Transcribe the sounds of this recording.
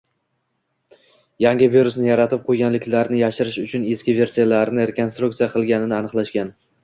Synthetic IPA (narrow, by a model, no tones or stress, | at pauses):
jaŋɡʲɪviɾʊsnɪjaɾat̪ʰɪp̚qʰojɡʲanlɪkʲlaɾnɪjaʃɪɾɪʃʊt͡ʃʰʊne̞skʲɪve̞ɾsijalaɾnɪɾeko̞nst̪ɾuk̚t̪sijaqʰɨlˠɡʲanɪnɪanɨqlˠaʃkʲan